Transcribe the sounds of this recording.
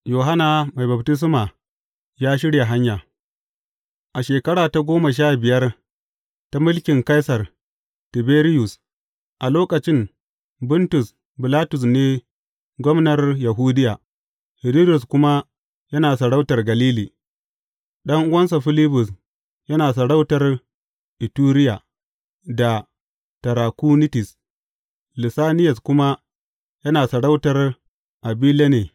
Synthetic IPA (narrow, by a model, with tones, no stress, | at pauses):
joː˨ɦa˦naː˨ma˨jbɐ˨btɪ˦s̬maː˨ | jaː˦ʃ̬ɪ˦ɽja˨ɦa˦ɲjaː˨ | ʔa˨ʃeː˨kɐ˦ɽaː˨ta˦ɡʷoː˦ma˨ʃ̬aː˦bɪ˨jɐ˦r | ta˦mʊ˦lkʲɪ˨ŋka˦jsɐ˨r | tɪ˨beː˦ɾɪ˦jʊ˨s | ʔa˨loː˦kɐ˨t͡ʃɪ˦n | bʊ˦ntʊ˨s | bɪ˨laː˦tʊ˨s̬neː˦ | ɡʷɔ˦mnɐ˨rja˨ɦuː˦dɪ˦jaː˨ | hɪ˨ɾi˦dʊ˨skʷʊ˦ma˦ | jɐ˦naː˨sɐ˨ɽa˦wtɐ˨rɡɐ˨liː˦liː˨ | ɗɐ˦ŋʔʊ˦wɐ˦ns̬a˨ɸɪ˦lɪ˦bʊ˨s | jɐ˦naː˨sɐ˨ɽa˦wtɐ˨r | ʔɪ˨tuː˦ɾɪ˦jaː˨ | da˨ | tɐ˨ɾaː˨ku˦nɪ˦tɪ˨s | lɪ˨saː˦nɪ˦jɐ˨skʷʊ˦ma˦ | jɐ˦naː˨sɐ˨ɽa˦wtɐ˨r | ʔa˨biː˦le˦neː˨